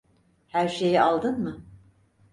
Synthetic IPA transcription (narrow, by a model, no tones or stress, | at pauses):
hæɾʃe̞jialˠd̪ɯnmɯ